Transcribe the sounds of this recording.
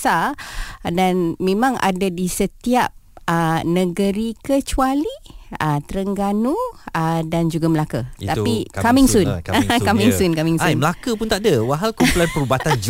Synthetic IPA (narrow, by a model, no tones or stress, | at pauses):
sa | danmẽmãŋʔa̰dadisət̪iap̚ənə̃ɡəɾikət͡ʃualiət̪əɾəŋɡanuədand͡ʒuɡaməlakət̪apikamiŋsunkamiŋsunkamĩŋajməlakəpunt̪aʔdəwaɦalkumpulanpəɾubat̪and͡ʒ